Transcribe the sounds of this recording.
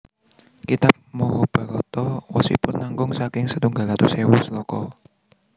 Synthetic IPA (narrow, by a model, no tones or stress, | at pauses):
kit̪ap̚mɔwɔb̥ä̤ɾɔt̪ɔwɔsḭpʊnːaŋɡʊŋsakɪŋsət̪uŋɡalat̪usewɔslɔkɔ